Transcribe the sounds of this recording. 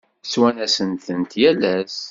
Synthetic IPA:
swænæsənt̪ənt̪jælæs

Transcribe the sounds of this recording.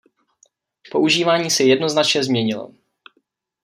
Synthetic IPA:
po̞ʔuʒiːvaːɲiːsɛjɛdno̞znat͡ʃɲɛzmɲɛɲɪlo̰

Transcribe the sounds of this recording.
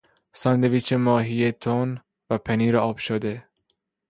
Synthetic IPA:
sɒnd̪eviːt͡ʃʰemɒːɦijet̪ʰon | væpʰeniːɾeɒːb̥ʃod̪e

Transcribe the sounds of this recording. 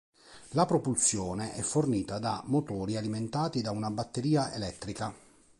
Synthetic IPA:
lapɾɔpulsjɔːneʔɛfːorniːt̪ad̪amot̪ɔːɾialiment̪aːt̪id̪aunabat̪ːeɾiːaḛlɛt̪ːɾika

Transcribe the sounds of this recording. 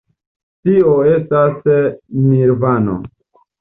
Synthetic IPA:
tioestasmiɾvano̰

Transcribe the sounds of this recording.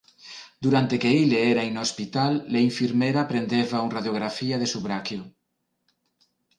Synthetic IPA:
d̪uɾant̪ekeileeɾainoospit̪alːeiɱfiɾmeɾapɾend̪eβauŋraðjoɣ̞ɾafiaðesuβɾakjo

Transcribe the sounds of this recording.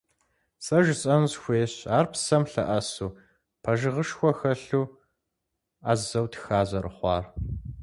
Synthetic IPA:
sʼɐʒɕʼɐnzxʷeːɕaːrpʰsɐmɬɐ̰ʔɐsuː | pʰɐʒɪʁəʃxʷɔxɐɬuː | a̰ːzɐwtʰxaːʑɐrɨ̰χʷɑ̰ːr

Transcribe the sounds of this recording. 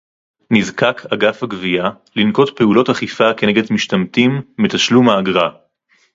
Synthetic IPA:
nizkakʰaɡafhaɡvia | linko̞tpe̞ulo̞taχifake̞ne̞ɡedmiʃtamtimːetaʃlumaːɡʁa

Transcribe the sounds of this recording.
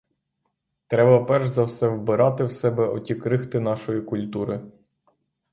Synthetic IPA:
t̪ɾɛbɐpɛrʒzɐwsɛwbɪɾɑt̪ɪwsɛbɛɔtʲikɾɪxt̪ɪn̪ɑʃɔjikʊlʲt̪uɾɪ

